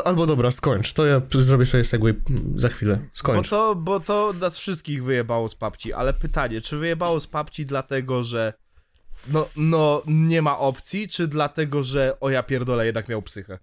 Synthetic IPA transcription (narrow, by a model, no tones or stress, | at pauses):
albɔd̪ɔbɾaskɔɲt͡ʂt̪ɔjazɾɔbʲjɛsɔbʲjɛsɛɡwɛzaxfʲilɛskɔɲbɔt͡ʂt̪ɔbɔt̪ɔnasfʂɨst̪̚kʲiɣvɘjɛbawɔspapt͡ɕiʔa̰lɛpɘt̪aɲɛt͡ʂɘvɘjɛbawɔspapt͡ɕid̪lat̪ɛɡɔʐɛ | nɔnɔɲɛmaʔɔpt̪sʲjit͡ʂɘd̪lat̪ɛɡɔʐɛʔɔjapʲjɛɾd̪ɔlajɛd̪nakmʲawpsɘxɛ